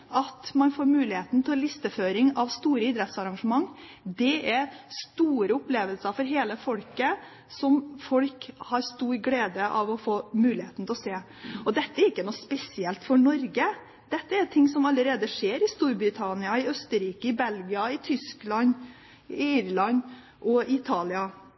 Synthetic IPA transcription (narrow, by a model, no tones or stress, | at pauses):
ɑt̪mɑnfoːɾmʉːlɪheːt̪n̩t̪ʰɛlɪst̪əføːɾɪŋɑʋst̪uːɾəɪd̪ɾɛt̪sɑɾɑŋʂəmɑŋː | d̪ɛɛɾst̪uːɾəʊpleːʋəlsəfɔɾɦeːləfɔlkə | sɔmfɔlkhɑɾst̪uːɾɡleːd̪əʔɑʋɔfoːmʉːlɪheːt̪n̩t̪ɛɔseː | ɔd̪ɛt̪ːəɛɾɪkːənuːspɛsɪɛlt̪fɔɳɔɾɡə | d̪̥ɛt̪ːəɛɾt̪ʰɪŋsɔmɑlːəɾeːd̪əʂeːɾɪst̪uːɾbɾɪt̪ʰɑnɪɑɪœst̪əɾiːkəɪbɛlɡɪɑɪt̪ʰʏsklɑn | iːɾlɑn | ʔɔɪt̪ʰɑːlɪɑ